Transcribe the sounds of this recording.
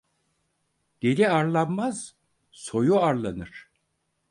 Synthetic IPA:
d̪̥eɾiaɾlˠanmaz̥ | so̞juaɾlˠanɯɾ̥

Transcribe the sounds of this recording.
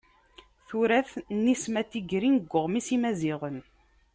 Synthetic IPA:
θuɾæθnːismæt̪ːiɡɾinəɡʷːəʁmisimæziʁən

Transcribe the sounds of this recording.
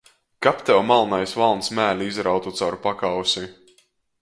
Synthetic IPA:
kapt̪ɛwmalˠnajsvalˠnsmæːlʲiizɾawt̪ut̪sawɾupakawsi

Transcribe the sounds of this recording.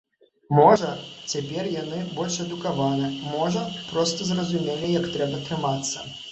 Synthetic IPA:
mɔʐɐt͡sʲapʲɛrjanɨbɔlʲʂɛd̪ukavanɨmɔʐɐpɾɔst̪ɐzrɐzumʲelʲijɐkt̪ɾɛbɐt̪ɾɨmat̪sːɐ

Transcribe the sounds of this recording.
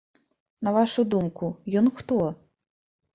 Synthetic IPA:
nɐvaʂud̪umkujɔnxt̪ɔ

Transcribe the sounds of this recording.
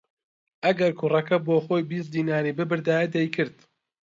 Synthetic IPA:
ʔɐɡɐɾkʰʊrɐkɐboːxoːjbiːs̚d̪iːnaːɾiːbɨbɨɾd̪aːjɐd̪ɛjkʰɨɾd̪̥

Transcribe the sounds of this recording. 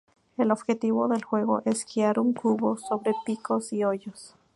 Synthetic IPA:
elo̞βxe̞t̪iβo̞ðe̞lxwe̞ɣo̞̰ʔe̞skiaɾuŋkʰuβo̞so̞βɾe̞piko̞sioʝos

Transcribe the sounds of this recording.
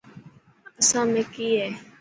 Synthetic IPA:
əsãːmẽːkiːɦɛː

